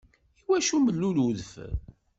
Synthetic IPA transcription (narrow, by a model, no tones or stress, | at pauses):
iwæʃuməlːuluðf